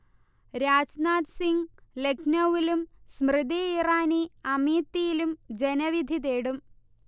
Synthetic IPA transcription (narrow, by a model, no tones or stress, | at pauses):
ɾaːd͡ʑnaːt̪siŋɡlekʰnɐʋilumsmrɨd̪iiraːniɐmiːt̪ːijilumd͡ʑenɐʋid̪ʱid̪eːɽum